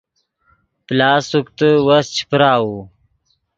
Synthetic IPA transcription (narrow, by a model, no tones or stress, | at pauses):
plaːsuk̚t̪əwast͡ɕʰi̥pɾaːwu